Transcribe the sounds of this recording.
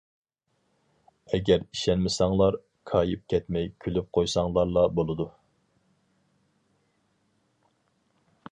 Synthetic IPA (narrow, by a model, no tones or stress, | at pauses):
ɛɡʲɛɾiʃɛnmɪsɑŋlˠɑɾ | kʰɑːjɨp̚kʲʰɛt̪mɛjkʲʰylyp̚qʰojsɑŋlˠɑɾlˠɑbolˠɨd̪u